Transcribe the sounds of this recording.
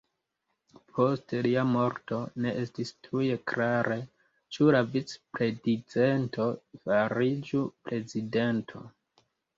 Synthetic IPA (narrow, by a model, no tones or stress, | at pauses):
pʰo̞steliamo̞ɾto̞ne̞ʔestistʰuje̞kɾaɾe | t͡ʃulavit͡spɾe̞did͡zentʰo̞faɾid͡ʒupɾe̞zide̞ntʰo̞̰